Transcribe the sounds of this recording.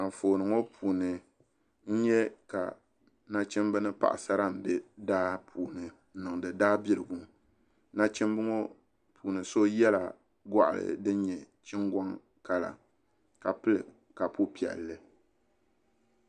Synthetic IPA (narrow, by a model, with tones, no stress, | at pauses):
a˨foː˨nɨ˨ŋo˦pʰuː˨nɨ˨ | n̩˦ɲɛ˦ka̰˨ | na˦t͡ʃɛ˦m˦bɨ˦nɨ˦pa̰˨ʔa̰˨sa˦ɾa˦m˨dɨ˨daː˦pʰuː˨nɨ˨˦ | nɨ˨ŋ˨dɨ˨daː˦bi˦ɾɨ˨ɡu˦ | na˦t͡ʃɛ˦mbɨ˦ŋo˦ | pʰuː˨nɨ˨so˦jɛ˦la̰˨ | ɡa˦ʔa̰˨lɨ̰˨dɨ˦ɲɛ˨ | t͡ʃɪ˦ŋɡɔ˦ŋ | ka˦la̰˨ | ka˨pɨ˦lɨ˨ | ka˨pu˦pi˨ɛ̰˨lːɨ˦